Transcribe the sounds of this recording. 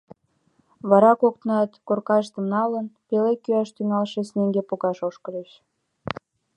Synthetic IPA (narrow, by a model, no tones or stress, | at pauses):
βɑɾɑkok̚t̪ənɑt̪korkɑʃt̪əmnɑlənpelekːyɑʃt̪yŋɑlʃesneŋɡepoɣɑʃoʃkəd̪et͡ɕ